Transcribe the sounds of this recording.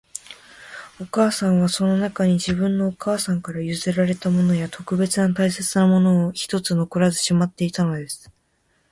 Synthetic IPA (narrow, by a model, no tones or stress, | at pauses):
o̞kaːsãɰ̃β̞aso̞no̞nakaɲ̟id͡ʑibɯ̟̃nːo̞ːkaːsãŋkaɾajɯ̟zeɾaɾe̞t̪amo̞no̞jat̪o̞kɯ̟be̞t͡sɨnat̪aise̞t͡sɨnamo̞no̞ːçi̥t̪o̞t͡sɨno̞koɾazɨ̥ɕimat̪ːe̞it̪ano̞d̪e̞sɨ̥